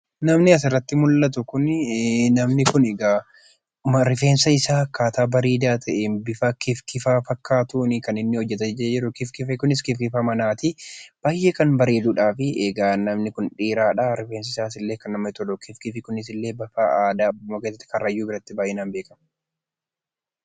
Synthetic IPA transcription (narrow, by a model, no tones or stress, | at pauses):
nɐmnɪɐs̬ɪrːɐt̪ːɪmʊlːɐt̪ʊkʊnnɐmnɪkʊnɛɡa | mɾɪfe̞ːnsɐɪsaːkaːt̪aːbɐɾiːd̪aːt̪ʰɐʔebɪfɐkɪfkɪfaːfɐkːaːt̪uːnɪkɐnɪnːɪhɔd͡ʒːɛt̪ɐd͡ʒd͡ʒɪɾʊkɪfkɪfɛkʊnɪskɪfkɪfaːmɐnaːt̪ɪb̥aːjːeːkɐnbɐɾeːd̪uːᶑaːfɪʔeːɡaːnɐmnɪkʊnᶑiːɾaːᶑɐɾɪfeːnsɐɪsaːɪsɪlːe̞ːkɐnːɐmɐt̪ɔlɔkɪfkɪfɪkʊnɪs̬ɪlːe̞ːbɐfaːaːd̪aːbːʊmokeːsːɐt̪ːkɐrːɐjːuːbɪɾɐt̪ːɪbaːjɛnaːnbe̞ːkɐm